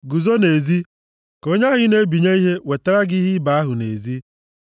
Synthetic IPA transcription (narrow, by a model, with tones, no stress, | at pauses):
ɡu˨zo˦ne˨zi˦ | ko˦ɲa˦ɣɪ˦ne˦bi˨ɲe˦i˦ɦe˦we˨te˦ɾa˦ɡɪ˦ɦi˦ba˨a˦ɦʊ˨nḛ˨zi˦